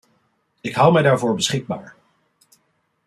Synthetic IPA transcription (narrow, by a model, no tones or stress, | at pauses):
ɪkɦʌwmɛjdaːɹvʊːɹbəsχɪɡ̚ba̰ːɹ